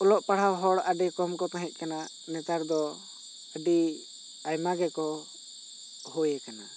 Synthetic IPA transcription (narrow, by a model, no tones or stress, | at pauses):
ɔlɔʔpaɽ̤awɦɔɽaɖɛkɔmkɔt̪ãɦɛc̪̚ˀkana | nɛt̪aɾd̪ɔ | əɖi | ajmaɡɛkɔ | hɔjɛkana